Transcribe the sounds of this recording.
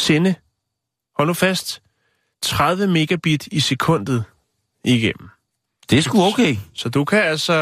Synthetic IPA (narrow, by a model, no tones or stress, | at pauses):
senə | hɒ̽l̰əfæsd̥ | t͡sʰʁað̞ˠʋəme̝ɡ̥æb̥id̥ise̝kʰɔ̽n̰d̥ð̩ˠ | iɡ̥em̰m̩ | d̥e̝sɡ̥uɔʊkʰeːɪsɒ̽d̥ukʰææl̰sɒ